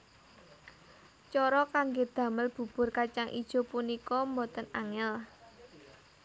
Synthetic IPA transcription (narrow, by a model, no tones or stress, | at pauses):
t͡ʃɔɾɔkaŋɡed̪̥ä̤məlb̥ṳb̥ʊ̤rkat͡ʃaŋʔḭd̥ʒ̥o̤punikɔmbɔt̪ənaŋɛl